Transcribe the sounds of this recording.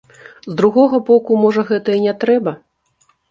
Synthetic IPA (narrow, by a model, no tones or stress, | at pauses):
zd̪ɾuɣɔɣɐbɔkumɔʐɐɣɛt̪ɐinʲɛt̪ɾɛbɐ